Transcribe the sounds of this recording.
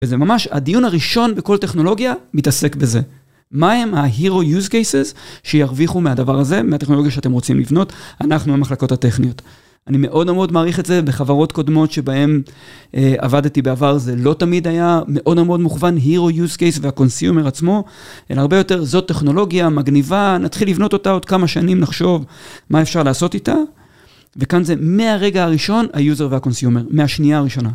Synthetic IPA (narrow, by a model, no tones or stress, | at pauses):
vezemamaʃa̰dijunaʁiʃo̞nbeko̞lte̞χno̞lo̞ɡjamitase̞kbe̞ze̞ | mahe̞maɦiʁo̞juzkejsezʃejaʁviχumeadavaʁaze̞meate̞χnoojaʃeatemʁot͡simlivno̞tanaχnubemaχlako̞thate̞χnio̞t | anime̞ʔo̞dmomo̞dmaːʁiχetze̞beχavaʁo̞tko̞dmo̞tʃe̞bae̞mea̰vadtibeavaʁze̞lo̞tamid̪ajame̞ʔo̞dmmo̞d̪muχvanɦiʁo̞juzkejsveako̞nsjume̞ʁat͡smo̞ | ʔelaʁbe̞jo̞te̞ʁzo̞tːeχno̞lo̞ɡjamaɡnivanat̪χilːivno̞t̪o̞tao̞d̪kamaʃanimnaχʃo̞vmaefʃaʁlaːso̞tita | ve̞kanze̞me̞aʁe̞ɡaaʁiʃo̞najuze̞ʁveako̞nsjume̞ʁmeaʃniaːʁiʃo̞na